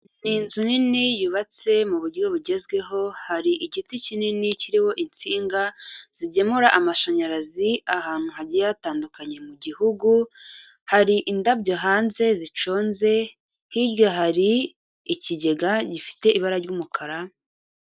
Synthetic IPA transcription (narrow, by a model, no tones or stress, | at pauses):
ninzuninijuβat͡se̞muβuɾɟo̞βuɟe̞zɡwe̞ɦo̞haɾiʔiɟiticininiciɾiho̞ʔint͡siːŋɡaz̥iɟe̞muɾaʔamaʃoɲaɾaziahaːn̥huɦaɟijataːndukaɲe̞muɟihuɡu | haɾiʔindabɟoɦaːnze̞zit͡ʃo̞ːnze̞ | hiɾɡoɦaɾiː | ciɟe̞ɡaɟifi̥te̞ʔiβaɾaɾɟumukʰaɾa